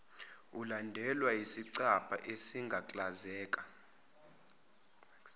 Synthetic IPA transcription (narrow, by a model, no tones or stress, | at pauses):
ulandʱɛlwaisiǀapʰʼa̰ʔesiŋɡʱakʼlazɛːkʼḁ